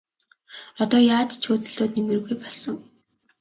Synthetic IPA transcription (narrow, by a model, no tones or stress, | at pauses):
ɔt̪ɔːjaːt͡ɕt͡ɕʰoːt͡sɘ̆ɮt̪oːt̪nem̆r̆ɣujpɔɮsə̆ŋ